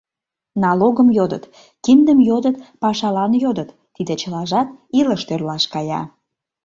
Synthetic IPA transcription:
nɑloɣəmjod̪ə̰t̪ | kind̪əmjod̪ət̪pɑʃɑlɑnjod̪ət̪ːid̪et͡ɕəlɑʒɑt̪iləʃt̪ørlɑʃkɑjɑ̰

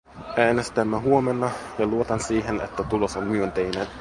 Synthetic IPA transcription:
ʔæːnest̪æmːæɦuo̞menːɑjɑluot̪ɑnsiːɦenḛt̪ːæt̪ulo̞sommyønt̪ejnen

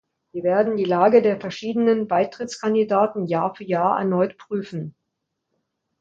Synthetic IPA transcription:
viːɐveːɐdn̩diːlaːɡədeːɐfɛɐʃiːdənənbaɪtʁ̥ɪt͡skʰandidaːtn̩jaːɐfyːɐjaːɐʔɛ̰ɐnɔʏtpʁ̥yːfn̩

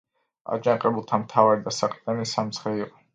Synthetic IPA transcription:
a̰d͡ʒaŋqʼɛbulˠt̪ʰamt̪ʰavaɾid̪asaqʼt̪ʼɛnisamt̪sʰχɛiqʼɔ

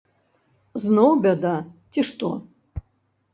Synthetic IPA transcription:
znowbʲad̪atʲʰiʂt̪ʼo̰

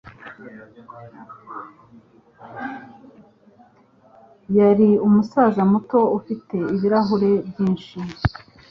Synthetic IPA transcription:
jaɾiumusazamuto̞ufite̞iβiɾaɦuɾe̞bjiːnʃi

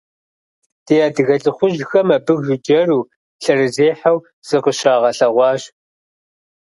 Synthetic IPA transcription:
d̥ejaːdɨɣɐɬɨχʷʊʒxɐmɐbɨɣʒɪd͡ʒɐruː | ɬɐrɨzeːħaw | z̥ɨqəʃaːʁɐɬɐʁʷɑːɕ

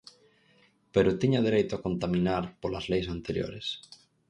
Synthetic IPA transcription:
peɾot̪iɲaðeɾejt̪oakont̪amĩnaɾpolazlejs̬ant̪eɾjo̰ɾes

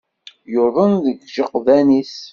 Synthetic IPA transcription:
joɾðˤənðəɡʒəqːðænis

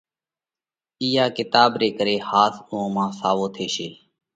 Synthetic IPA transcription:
iːjaːkɪt̪aːbɾeːkəɾeːhaːsʊõːmãːsaːʋoːt̪ʰeːʃeː

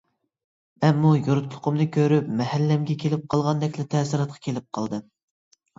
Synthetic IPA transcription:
ɛmːujoɾut̪lˠʊ̥qʰʊmnɨkʲʰøɾypmɛhælːɛmɡʲɛkʲʰelɪp̚qʰɑlˠʁɑnd̪ɛkʲlɪt̪ʰɛːsiɾɑt̪̚qʰɑ̥kʲʰelɪp̚qʰɑlˠd̪ɨm

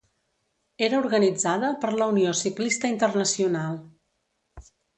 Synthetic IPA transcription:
eɾəuɾɣənid͡zaðəpəɾləuniosiklist̪əint̪ərnəsiunalˠ

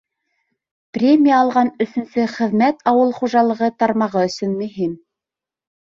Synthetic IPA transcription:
prʲemʲijəːlˠʁɑnɵ̆θɵ̆nsɘχɘ̆ðmæt̪ʰɑwɤlˠχuʒɑlˠɤ̆ʁɤt̪ɑɾmɑʁɤɵ̆sɵnmɵ̆ɦim

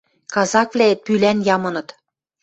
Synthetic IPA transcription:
kɑzɑkvlʲæet̪̚pylænjɑmɤ̆nɤ̆t̪

